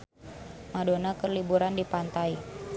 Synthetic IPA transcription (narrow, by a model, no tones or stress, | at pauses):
madonakərlibuɾandipant̪ai